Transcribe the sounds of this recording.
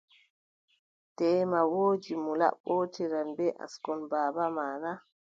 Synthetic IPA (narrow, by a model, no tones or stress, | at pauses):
tɛːmawoːd͡ʒimula̰ɓoːtiɾanbɛʔa̰skɔnbaːbamaːna